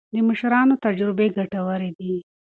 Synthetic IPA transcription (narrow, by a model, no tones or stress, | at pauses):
d̪əməʃɾɑnot̪ad͡ʒɾɪbeɡaʈawəɾed̪i